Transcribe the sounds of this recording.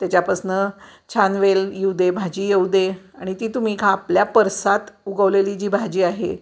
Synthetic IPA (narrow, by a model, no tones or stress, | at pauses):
t̪jat͡ɕjapəsnət͡ɕʰanʋeljed̪ebʱad͡ʑiːjeud̪e | aɽ̃it̪iːt̪um̤iːkʰaːpljapəɾsat̪uɡəʋlelid͡ʑiːbʱad͡ʑiːaɦḛ